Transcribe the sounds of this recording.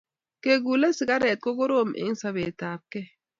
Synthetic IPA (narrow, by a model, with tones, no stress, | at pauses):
ke˨ɡu˨le˦si˨ɡa˦ɾɛ˨t̪̚ko˦ɡo˦ɾo˦˨mʔḛ˨˦ŋ˦sa˨βeː˨taː˨p̚kɛ˦